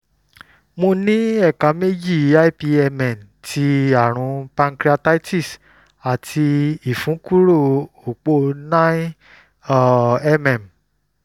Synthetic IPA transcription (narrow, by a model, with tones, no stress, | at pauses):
mõ˧nĩ˦ɛ˦˨ka˨˦me˦d͡ʒi˦˨˦a˦i˦pi˧ɛ˧mɛ̃˨n˨tʰi˧a˦˨ɾ̃ũ˧pã˧ŋkɾi˦a˧ta˦i˦ti˦˨s | a˨tʰi˧i˦˨fũ˨˦ku˦ɾo˦˨ | o˨k͡po˧nã˦˨ | ɛ˦mɛ̃˨m˨